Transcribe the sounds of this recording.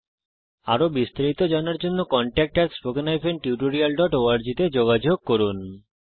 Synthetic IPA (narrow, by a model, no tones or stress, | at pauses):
a̰ɾobist̪aɾit̪od͡ʑanaɾd͡ʑonːokɔɳʈɛk̚ʈaɾspokenajpʰeɳʈiuʈoɾialɖɔʈoaɾd͡ʑit̪ed͡ʑoɡad͡ʑoɡ̚koɾun